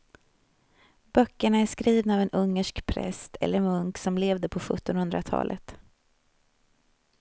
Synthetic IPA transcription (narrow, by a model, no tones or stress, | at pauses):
b̥œkːəɳaæʂkɾiːvnaavɛnɵŋːəʂkpʰɾɛ̰st̪ʰɛ̰lːəɾmɵŋksɔmleːvd̪əpʰɔɧɵ̰t̪ːɔnhɵnd̪ɾat̪ʰɑ̰ːlʔə̰t̪